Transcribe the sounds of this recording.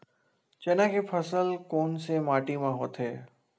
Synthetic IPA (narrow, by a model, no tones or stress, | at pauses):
t͡ʃɛːnãkepʰɐsəlkoːnsemaːʈimãɦoːt̪ɦeː